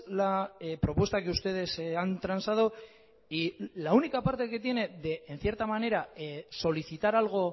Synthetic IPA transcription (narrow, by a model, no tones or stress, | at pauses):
lapɾo̞pwe̞st̪akeust̪e̞ð̞e̞seant̪ɾansaðo | ilaunikapaɾt̪e̞ke̞t̪je̞ne̞ðeːnθje̞ɾt̪amane̞ɾaso̞liθit̪aɾalɣ̞o̞